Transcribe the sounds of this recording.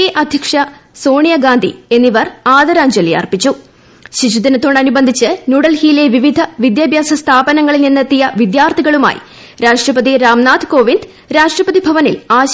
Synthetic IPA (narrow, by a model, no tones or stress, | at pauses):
eʔɐd̪ʱjɐkʂɐsoːɳijɐɡaːnd̪ʱḭe̞nːiʋɐraːd̪ɐɾaːɲd͡ʑɐlija̰ːrpit͡ɕːu | ɕiɕud̪inɨt̪ːoːɳɐnubɐnd̪ʱit͡ɕːɨnuːɽɐlhijile̞ʋiʋid̪ʱɐʋid̪jaːbʱjaːsɐst̪ʰaːbɐnɐŋːɐɭilninːɐt̪ːijɐʋid̪jaːrt̪ʰiɣɐɭuma̰ːjḭ | ɾaːʂʈrɐpɐðiɾaːmnaːt̪ɨ̥ko̞ːʋind̪ | ɾaːʂʈrɐpɐðibʱɐʋɐnilaːɕ